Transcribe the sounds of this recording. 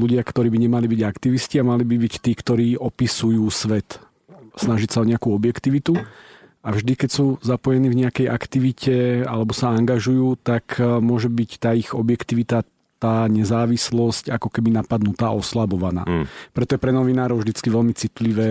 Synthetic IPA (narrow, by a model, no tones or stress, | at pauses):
luɟɪakt̪ɔɾiːbiɲɛmalibiɟakt̪iʋisciamalibibict̪iːkt̪ɔɾiːʔɔpisujuːsʋɛt̪ | snaʒicsaɔɲɛakuɔbjɛkt̪iʋit̪uavʒd̪ikɛcsuːzapɔjɛniːvɲɛakɛjʔa̰kt̪iʋicɛa̰lɛbɔsaaŋɡaʒujuːt̪akʰmʊɔʒɛbict̪aːiɣɔbjɛkt̪iʋit̪a | t̪aːɲɛzaːʋislɔscakɔkɛbinapad̪nut̪aːʔɔslabɔʋana̰ːpɾɛt̪ɔjɛpɾɛnɔʋinaːɾɔʊvʒd̪it͡skiʋɛlmit͡sit̪liʋɛː